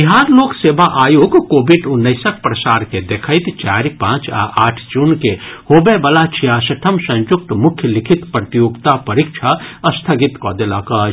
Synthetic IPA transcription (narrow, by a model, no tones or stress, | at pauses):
biɦaːɾloːkseːbaʔaːjoːɡkoːbiɖunːəɪsək̚pɾəsaːɾked̪ekʰəɪt̪t͡ʃaːɾipãːt͡ʃa̰ʔaːʈʰd͡ʒunkehoːbebəlat͡ʃʰijasɐʈʰəmsə̃njʊk̚t̪mʊkʰjəlikʰit̪pɾət̪ijoɡt̪apəɾikt͡ʃʰaəst̪ʰəɡit̪kɔd̪elakə